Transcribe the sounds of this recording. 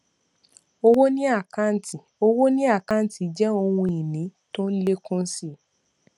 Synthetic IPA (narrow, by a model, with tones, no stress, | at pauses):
o˧wo˦nĩ˦a˦˨kã˦˨n̩˦ti˨o˧wo˦nĩ˦a˦˨kã˦n̩˦ti˨d͡ʒɛ˦o˧wũ˧i˨nĩ˨˦to˦n̩˦le˦kũ˦n̩˦si˦